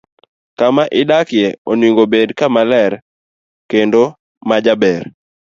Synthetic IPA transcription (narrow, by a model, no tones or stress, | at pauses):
kamaʔɪdakjeonwiŋɡobedkamalɛɾ | kendo | mad͡ʒabɛr